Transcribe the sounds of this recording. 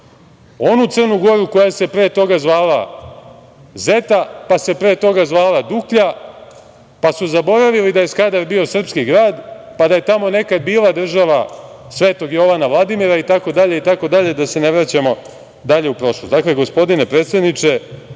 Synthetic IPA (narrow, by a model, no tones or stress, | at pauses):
o̞nut̪sɨr̩nuɡo̞ɾuko̞jase̞pɾeːt̪o̞ɡazʋaːla | ze̞t̪apase̞pɾeːt̪o̞ɡazʋaːlad̪ukʎa | pasuzabo̞ɾaʋilid̪aje̞skad̪aɾbio̞sr̩pskiɡɾaːd̪ | pad̪aje̞t̪amo̞ne̞kad̪̚biːlˠad̪r̩ʒaʋasʋe̞ːt̪o̞ɡjo̞ʋanaʋlˠad̪imiɾait̪ako̞d̪aʎe̞it̪ako̞d̪aʎe̞d̪ase̞ne̞ʋɾat͡ɕamo̞ | d̪aʎe̞upɾo̞ʃlosd̪akle̞ɡo̞spo̞d̪inepɾet̪sed̪nit͡ʃe̞